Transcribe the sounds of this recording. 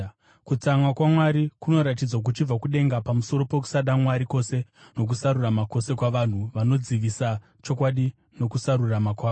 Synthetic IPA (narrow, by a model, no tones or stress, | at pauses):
kut͡samwakwamwaɾikuno̞ɾat̬id͡zwak̬ut͡ʃib͡vakuɗe̞ŋɡapamuso̞ɾo̞pe̞k̬u̥saɗamwaɾiko̞se̞ | no̞k̬usaɾuramako̞se̞kwaʋan̤uʋano̞d͡ziʋisa | t͡ʃo̞kwaɗi | no̞kusaɾuramakwaːo